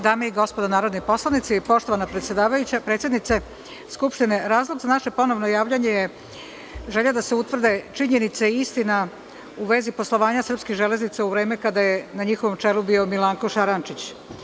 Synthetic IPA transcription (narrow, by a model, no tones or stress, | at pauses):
d̪aːmeiɡo̞spo̞d̪anaːɾod̪nipo̞slˠanit̪sipo̞ʃt̪o̞ʋanapɾet̪sjed̪aːʋajut͡ɕapɾet̪sʲjed̪nit̪se | skupʂt̪ine̞ɾaːzlˠoɡzanaʃe̞po̞no̞ʋnojaːʋʎaɲeje | ʒe̞ʎad̪ase̞ut̪ʋr̩d̪e̞t͡ʃiɲe̞nit̪seiist̪ina | uʋe̞zipo̞slˠo̞ʋaːɲasr̩pskiɣʒe̞le̞znit̪sauʋɾeːme̞kad̪ajenaɲixoʋo̞mt͡ʂe̞lubio̞milˠaːŋkoʃaɾant͡ʃit͡ɕ